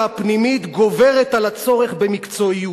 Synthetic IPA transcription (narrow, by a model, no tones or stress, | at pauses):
apnimit̪ɡo̞ve̞ʁet̪alat͡so̞ʁe̞χbe̞mikt͡so̞iu